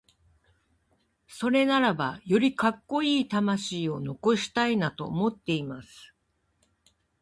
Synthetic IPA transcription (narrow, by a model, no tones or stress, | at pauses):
so̞ɾe̞naɾabajo̞ɾʲikakːo̞iːt̪amaɕiːo̞no̞ko̞ɕi̥t̪ainat̪o̞ːmo̞t̪ːe̞imasɨ̥